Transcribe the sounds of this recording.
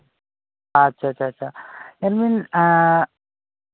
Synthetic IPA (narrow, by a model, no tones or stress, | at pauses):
ɐtːʃʰaːtːt͡ʃʰaːtːʃʰajanmin